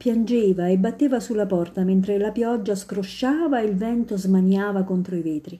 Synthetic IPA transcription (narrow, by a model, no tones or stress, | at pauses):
pjand͡ʒeːvaebːat̪ːeːvasulːapɔrt̪ament̪ɾelapjɔd͡ʒːaskɾoʃːaːvaeilvɛnt̪ozmaɲːaːvakont̪ɾoiveːt̪ɾi